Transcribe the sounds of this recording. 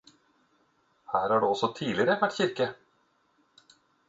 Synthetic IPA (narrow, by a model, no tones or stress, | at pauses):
hæːɾhaɖʉɔsɔt̪ʰiːd̪lɪɡəɾəvæʈːɕɪɾkə